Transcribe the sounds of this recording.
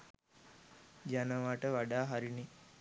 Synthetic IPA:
d͡ʒanəʋaʈəʋaɖaːɦaɾini

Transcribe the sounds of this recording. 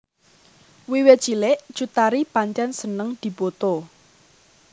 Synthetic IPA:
wiwe̥t͡ʃilɪʔd̥ʒ̥ut̪aɾipaɲt͡ʃansənəŋd̪̥i̤b̥ot̪o

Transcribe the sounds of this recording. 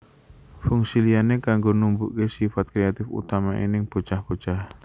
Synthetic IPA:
fuŋsilianekaŋɡonumbuʔkesifat̪̚kɾeat̪ɪfṵt̪amaʔḭnɪŋb̥o̤t͡ʃahb̥o̤t͡ʃah

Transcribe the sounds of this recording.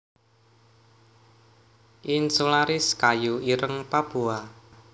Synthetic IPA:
ʔinsulaɾɪskajuiɾəŋpab̥ua

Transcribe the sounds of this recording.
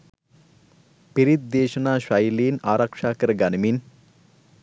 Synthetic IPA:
piɾit̪̚d̪eːʃənaːʃajliːnaːɾɐkʂaːkəɾəɡanimin

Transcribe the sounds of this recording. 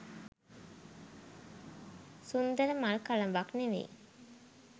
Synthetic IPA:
sund̪əɾəmaɭkalənʋakneʋḛ

